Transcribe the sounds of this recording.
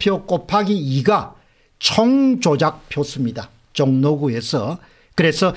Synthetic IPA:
pʰjok͈opʰaɡiiɡa | t͡ɕʰʌŋt͡ɕod͡ʑak̚pʰjos͈ɯmɲida | t͡ɕʌŋnoɡue̞sʰʌ | kɯɾe̞sʰʌ

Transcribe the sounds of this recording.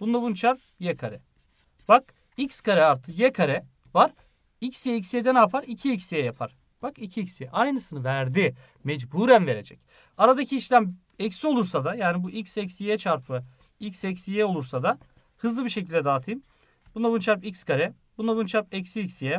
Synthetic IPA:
b̥und̪ˠabunt͡ʃʰaɾp̚ | jɛkʰaɾɛ | b̥ak | icskʰaɾɛaɾt̪ʰɯjɛkʰaɾɛ | vaɾ | icsjɛicsijɛd̪ɛnaːpʰaɾicʰiicsijɛjapʰa̰ɾ̥ | b̥akicʰiicʲsijɛʔajnɯsɯnɯvæɾd̪ɪ | mɛd͡ʒbuɾænve̞ɾe̞d͡ʒɛc | aɾad̪acʰiːʃlʲæm | ɛcsio̞lˠuɾsad̪ajaːnibuʔicsɛcsijɛt͡ʃʰaɾpʰɯ | icsɛcsijɛo̞lˠuɾsad̪a | hɯzlˠɯbiɾʃecʰilʲd̪ɛd̪aːt̪ʰɯjm | bunˠabunt͡ʃʰaɾpicskʰaɾɛ | b̥unˠabunt͡ʃʰaɾpɛcsiːcsijɛ

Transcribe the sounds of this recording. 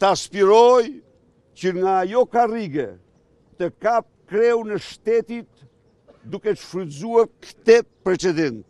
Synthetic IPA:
t̪əaspiɾɔj | cəŋɡaːjɔkariɡɛ | t̪əkap̚kɾɛwnəʃt̪ɛt̪it̪ | d̪ukɛʃfɾizuaɾkt̪ɛpɾɛt͡ʃɛd̪ɛnt̪

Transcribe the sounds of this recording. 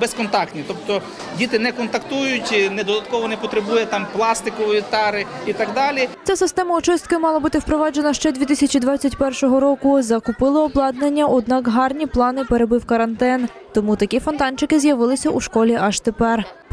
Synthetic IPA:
bɛskɔnt̪ɑkt̪nʲit̪ɔpt̪ɔ | dʲit̪ɪnɛkɔnt̪ɐkt̪ujʊtʲnɛd̪ɔd̪ɐt̪kɔʋɔnɛpɔt̪ɾebujɛt̪ɑmplˠɑst̪ɪkɔʋʋʲit̪ɑɾɪ | it̪ɑɡd̪ɑlʲit͡sʲasɪst̪ɛmɐʊt͡ʃɪst̪̚kɪmɑlˠɐbut̪ɪwpɾɔʋɑd͡ʒenɐʃt͡ʃɛd̪ʲʋʲit̪ɪsʲɐt͡ʃid̪ʋɑt͡sʲːɐtʲpɛrʃɔɦɔɾɔkʊzɐkʊpɪlˠɔɔblˠɑd̪nenʲːɐʔɔd̪nɑkɦɑrnʲiplˠɑnɪpeɾe̞bɪwkɐɾɐnt̪ɛn | t̪ɔmut̪ɐkʲifɔnt̪ɑnt͡ʃɪkɪzjɐʋɪlˠɪsʲɐʔuʃkɔlʲiʔɐʃt̪epɛr

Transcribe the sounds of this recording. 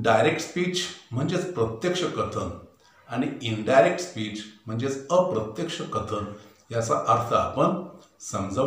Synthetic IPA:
ɖajɾek̚ʈspiːt͡ɕm̤əɳd͡zet͡spɾət̪jekʂəkət̪ʰən | añiiɳɖajɾek̚ʈspiːt͡ɕm̤əɳd͡zet͡səpɾət̪jekʂəkət̪ʰən | jat͡saʔaɾt̪ʰə̰ːpəɳ | səmd͡zə

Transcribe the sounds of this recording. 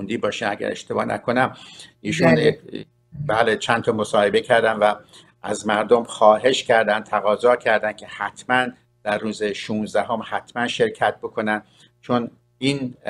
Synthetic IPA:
nd̪iːbɒːʃimæɟæ̰ɾe̞̰ʃt̪e̞bɒːnʔæ̰kʰo̞næmʔiːʃun | bæːlet͡ʃʰænt̪ʰɒːmosɒːhe̞becʰæɾd̪æmvæ | ʔæzmæɾd̪omxɒːɦe̞ʃcʰæɾd̪ænd̪t̪ʰæɣɒːzɒːcʰæɾd̪æn̚cʰe̞hæt̪ʰmæn | d̪̥ærːuːzeʃuːnzd̪æhomhæt̪ʰmænʃe̞ɾcʰæt̪̚bo̞kʰo̞næn | t͡ʃʰon | iːn

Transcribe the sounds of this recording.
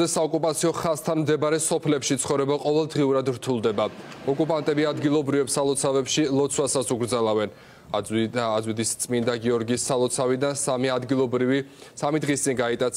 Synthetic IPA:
ɛsaɔkʼupʼat̪sʰiɔχast̪ʰanmd̪ɛbaɾɛsɔpʰlɛpʃit̪sʰχɔvɾɛbaqʼɔvɛlˠd̪ʁiuɾad̪ɾt̪ʰulˠd̪ɛba | ɔkʼupʼant̪ʼɛbiad̪ɡilˠɔbɾivɛpsalˠɔt̪sʰavɛpʃilˠɔt̪sʰwasasuɡɾd̪zalavɛn | azwid̪ist̪sʼmind̪aɡiɔɾɡiːsːalˠɔt̪sʰavid̪ansamiad̪ɡilˠɔbɾisamid̪ʁist̪sʼinɡait̪ʼat̪s

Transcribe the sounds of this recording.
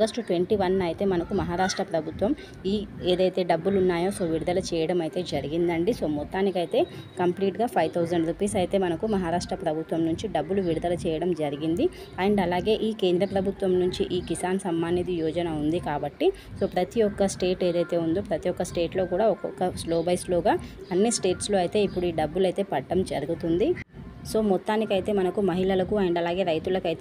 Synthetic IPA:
ɐɡɐsʈʈʋeɳʈiʋɐnɐjt̪e̞ːmɐnɐkumɐɦaːɾaːʂʈɾɐpɾɐbʱut̪ʋɐm | iːeːd̪ɐjt̪e̞ːɖɐbːulunːaːjo̞ːso̞ːʋiɽud̪ɐlɐt͡ʃɛːjɐɽɐmɐjit̪e̞ːd͡ʒɐɾiɡind̪ɐɳɖiso̞ːmɔt̪ːaːnikɐjt̪e̞ːkɐmpliːʈɡaːpʰɐjʋt̪ʰɐwd͡ʒɐɳɖɾipiːsɐjit̪e̞ːmɐnɐkumɐɦaːɾaːʂʈɾɐpɾɐbʱut̪ʋɐmnuɲt͡ʃiɖɐbːuluʋiɽud̪ɐlɐt͡ʃɛːjɐɽɐmd͡ʒɐɾiɡind̪i | aːjɐɳʈɐlaːɡe̞ːʔiːke̞ːnd̪ɾɐpɾɐbʱut̪ʋɐmnuɲt͡ʃiʔiːkisaːnsɐmːaːnjɐt̪ijɔːd͡ʒɐnɐund̪ikaːbɐʈːi | so̞ːpɾɐt̪ijɔkːɐsʈeːʈeːd̪ɐjt̪e̞ːund̪oːpɾɐt̪iɔkːɐsʈe̞ːʈlo̞ːkuːɽaːɔkɔkɐsloːbɐjsloːɡaːɐnːisʈeːʈslo̞ːɐjit̪e̞ːipːuɽuiːɖɐbːulɐjt̪e̞ːpɐʈːɐmd͡ʒɐɾuɡut̪und̪i | so̞ːmɔt̪ːaːnikɐjt̪e̞ːmɐnɐkumɐɦilɐlɐkuaːjɐɳɖɐlaːɡe̞ːɾɐjt̪ulɐkɐjt̪eː

